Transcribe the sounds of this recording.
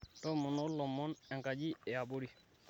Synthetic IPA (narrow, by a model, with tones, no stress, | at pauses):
tɔ˦mɔ˨nɔ˦lɔ˨mːɔ˦nɛ˨ŋka˨d͡ʒi˦ɛ˨a˨bo˦ɾi˨